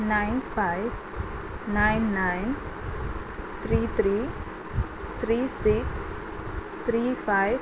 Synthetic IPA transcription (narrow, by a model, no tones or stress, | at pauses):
nãjnfajv | nãjnːajn | t̪ʰɾit̪ʰɾi | t̪ʰɾisiks | t̪ʰɾiːfajv